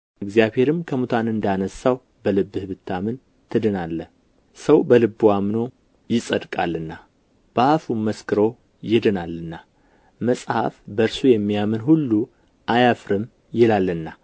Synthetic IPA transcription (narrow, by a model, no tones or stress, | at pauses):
ɨɡzijaβhe̞ɾɨmkʰəmut̪ʰanɨnd̪anəsːaw | bəlɨbːɨhɨβɨt̪ʰːamɨn | t̪ʰɨd̪ɨnalːə | səwbəlɨbːwamno̞ | jɪsʼəd̪kʼalːɨnːa | b̥afumːəskʰɨɾo̞ | jɪd̪ɨnalːɨnːa | məsʼha̰fbəɾsujɛmːijamɨnɦulːu | ʔajafɾɨm | jɛlalːɨnːa